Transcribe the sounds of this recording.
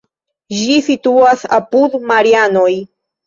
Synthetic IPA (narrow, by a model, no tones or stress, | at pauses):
d͡ʒisit̪uasa̰pud̪maɾianoj